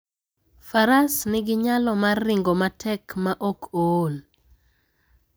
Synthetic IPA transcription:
faɾasnɪɡɪɲalɔmarːɪŋɡomatʰɛkmaʔokʰol

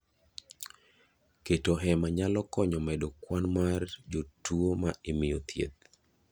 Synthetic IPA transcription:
ketoɦɛmaɲalɔkɔɲɔmɛdokwanmard͡ʒotuomaemɪjot̪ʰjḛt̪̚

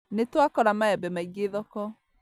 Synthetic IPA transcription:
netwakɔɾamaɛbɛmaiɡeðɔkɔ

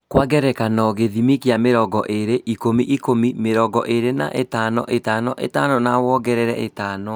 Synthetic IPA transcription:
kwaɣɛɾɛkanɔɣeðimikjameɾɔɡɔ̰ʔeɾeʔikomiʔikomimeɾɔɡɔʔeɾena̰ʔetaːnɔ̰ʔetaːnɔʔḛtanɔnawɔɡɛɾɛɾɛetanɔ

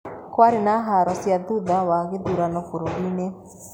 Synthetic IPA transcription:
kwaɾinaɦaɾɔsjad̪ud̪awaɡed̪uɾanɔkuɾoɡine

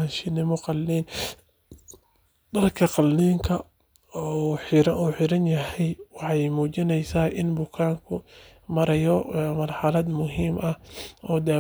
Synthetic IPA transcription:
ɐʃɪnɪmɔqɑlːiːn | d̪̥ɐlkʰɐqɑlniːŋkʰɐ | ɔħɪɾɐʔuːħɪɾɐnjɐɦɛjwɑħɑjmuːt͡ʃɪnɛjsaːʔɪnbʊkʰaːŋkʰʊ | mɐɾɐjɔmɐrħɑlɐd̪mʊɦiːmʔɐhʔɔːd̪aː

